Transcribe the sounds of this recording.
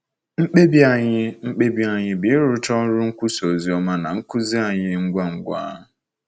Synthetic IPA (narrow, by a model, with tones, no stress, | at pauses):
ŋ͡m̩˦k͡pe˦bi˦a˦˨ɲɪ˦ŋ͡m̩˦k͡pe˦bi˦a˨ɲɪ˦bɪ˨˦ɾʊ˦tɔ˦ɾʊ˦ŋ̩˦kʷʊ˦so˨zi˨˦ɔ˦ma˦na˨ŋ̩˦kʊ˦zi˦a˨ɲɪ˦ŋ̩˦ɡʷa˦ŋ̩˨ɡʷa̰˦ɦʊ˨